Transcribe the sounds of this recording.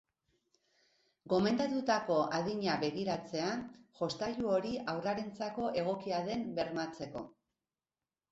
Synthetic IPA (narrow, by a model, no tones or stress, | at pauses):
ɡo̞me̞nd̪at̪ut̪ako̞ʔaðiɲaβe̞ɣiɾat͡se̞aʝo̞st̪aʎuo̞ɾiʔawraɾent͡sako̞ʔe̞ɣ̞o̞kiaðe̞mbe̞ɾmat͡se̞ko̞